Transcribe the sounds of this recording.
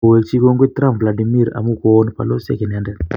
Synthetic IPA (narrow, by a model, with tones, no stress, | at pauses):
o˨we˨kt͡ʃi˦ko˦ŋɡwe˦t̪ɾa˦˨mvla˨di˨mi˦ɾa̰˨mu˦ko˦npa̰˨lo˦sḛ˦kɛ˨nɛ˨ndɛ˨